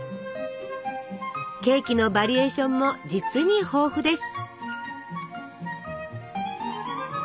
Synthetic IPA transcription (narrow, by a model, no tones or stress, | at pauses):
ke̞ːkʲino̞baɾʲie̞ːɕõ̞mːo̞d͡ʑit͡sɨɲ̟iho̞ːɸɯ̟d̪e̞sɨ̥